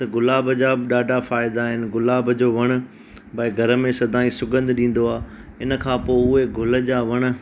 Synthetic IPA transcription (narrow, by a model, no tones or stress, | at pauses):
t̪ɐɡʊlaːbʱəd͡ʑaɗaːɖʱafaːɪd̪aɦɪnɪ̆ɡʊlaːbʱəd͡ʑoːʋɐɽ̃ʊ̆ | bɐɪɡʱɐɾə̆mẽsɐd̪ʱaːĩsʊɡə̃nd̪ʱɗĩːn̆d̪oaːɪnə̆kʰãːpoːʊɦeɡʱʊlə̆d͡ʑaːʋɐɽ̃ə̆